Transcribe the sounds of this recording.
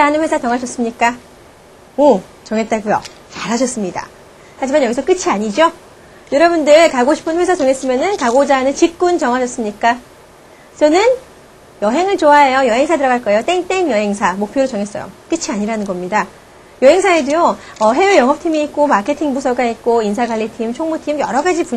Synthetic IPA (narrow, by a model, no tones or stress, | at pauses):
anɯnɸwesʰat͡ɕʌŋɦaɕʰʌs͈ɯmɲik͈a | o | t͡ɕʌŋe̞t̚t͈aɡujo̰ | t͡ɕaɾɦaɕʰʌs͈ɯmɲida̰ | had͡ʑimanjʌɡisʰʌk͈ɯt͡ɕʰiaɲid͡ʑo | jʌɾʌbundɯkaɡoɕʰi̥pʰɯnɸwe̞sʰad͡ʑoŋe̞s͈ɯmjʌnɯnkaɡod͡ʑanɯnt͡ɕip̚k͈unt͡ɕʌŋɦaɕʰʌs͈ɯmɲik͈a | t͡ɕʌnɯn | jʌɦe̞ŋɯɭt͡ɕoaejojʌɦe̞ŋsʰadɯɾʌɡaɭk͈ʌe̞jot͈eŋt͈eŋjʌɦe̞ŋsʰamokpʰjoɾot͡ɕʌŋes͈ʌjo̰k͈ɯt͡ɕʰiaɲiɾanɯnɡʌmɲida | jʌɦe̞ŋsʰaedijoʌɦe̞eɭjʌŋɦʌp̚tʰimiːt̚k͈omakʰe̞tʰiŋbusʰʌɡait̚k͈oinsʰaɡaʎːitʰimt͡ɕʰoŋmotʰimjʌɾʌɡad͡ʑipu